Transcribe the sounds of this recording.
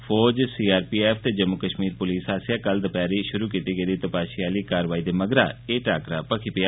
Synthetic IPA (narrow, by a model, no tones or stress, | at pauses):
fʰɔːd͡ʒsiːaːɾpiːeːfʰt̪eːd͡ʒəmːʊkəʃmiːɾpʊliːsaːsɪjaːkəld̪əpaːɾiːʃʊɾuːkiːt̪iːɡəid̪iːt̪əpaːʃiaːliːkaːɾʋaːiːd̪eːməɡɾa̰ːeːʈaːkɾaːpəkʰiːpɪjaː